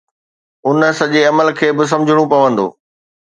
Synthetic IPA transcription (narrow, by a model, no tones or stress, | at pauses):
ʊnsɐʄeɐməlkʰeːbɪs̬ɐ̃md͡ʑʱɪɽ̃ũpɐʋə̃nd̪o̰ː